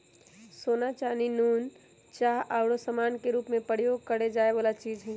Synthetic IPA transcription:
soːnat͡ʃaːninuːn | t͡ʃaːɦʔaʊɽosəmaːnkeɾuːpmẽpəɾjoːɡ̚kəɽed͡ʒaːeʋaːlat͡ʃiːd͡ʒɦɛ̃ː

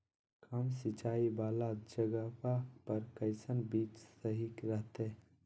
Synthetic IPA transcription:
kamsɪt͡ʃaːibaːlad͡ʒəɡəpapəɾkəɪsənbiːt͡ʃsəɦikɾəɦt̪e

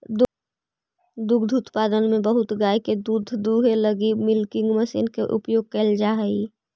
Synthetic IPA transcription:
d̪ | d̪uɡd̪ʱut̪pad̪ənmẽbəɦʊt̪ɡajked̪ud̪ʱd̪uɦeləɡimɪlkɪ̃ŋɡməsḭnkeʔṵpjoːɡ̚kəld͡ʒaɦəi

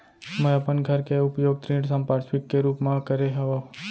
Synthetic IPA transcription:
məjapənɡʱəɾkeʊpjoɡ̚t̪ɾĩɖsə̃mpaɽsʋikːeɾuːpmãkəɾeɦɐʋo

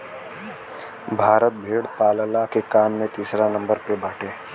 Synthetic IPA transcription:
bʱaːɾət̪̚bʱeːɽpaːləlakekaːmːẽt̪iːsɾanɐ̃mbəɾpebaːʈʰeː

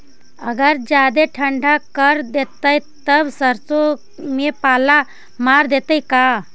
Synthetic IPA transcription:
əɡəɾd͡ʑjad̪eʈʰəɳɖʱakəɾd̪et̪əjt̪əbsəɾt͡so | mepala | maɾd̪et̪əjka

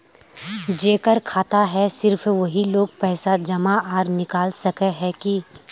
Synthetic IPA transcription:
d͡ʒeːkəɾkʰaːt̪aɦɛsɪɾfʰʋɐɦiloːɡ̚pɛːsad͡ʒɐmaaːɾnɪkaːlsɐkeɦɛki

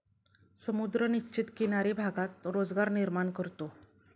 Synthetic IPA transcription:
səmud̪ɾənit͡ɕit̪kinaɾibʱaɡat̪ɾod͡zɡaɾniɾmaɳkəɾt̪o

